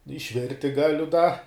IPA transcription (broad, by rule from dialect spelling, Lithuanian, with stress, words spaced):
ɪʃʲˈʋʲɪrʲtʲɪ ˈɡɑːlʲʊ dɐ